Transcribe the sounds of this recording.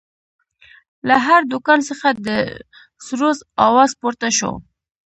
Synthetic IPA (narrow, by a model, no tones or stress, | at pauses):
laɦaɾd̪ʊkɑnsəxad̪ə | sɾozɑwɑzpoɾt̪aʃo̰